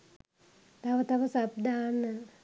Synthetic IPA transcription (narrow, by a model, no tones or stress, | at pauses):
t̪aʋət̪ɐʋəsab̚d̪aːnːən